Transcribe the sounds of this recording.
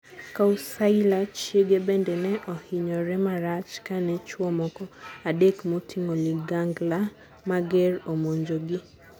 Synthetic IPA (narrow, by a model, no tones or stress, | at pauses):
kausaɪlat͡ʃjeɡebɛndɛnɛʔɔhiɲɔɾɛmaɾat͡ʃkanɛt͡ʃwɔmɔkɔadekmotʰiŋoliɡaŋɡla | maɡɛɾomoɲd͡ʒoɡɪ